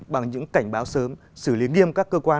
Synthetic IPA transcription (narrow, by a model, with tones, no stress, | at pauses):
ɓa˨˩ŋɲɨ̰˧˥ŋka˧˩jŋ̟ɓaː˨˦wsəː˨˦m | sɨ˧˩li˨˦ŋi˧əmkaː˦˥kːəː˧kwaː˧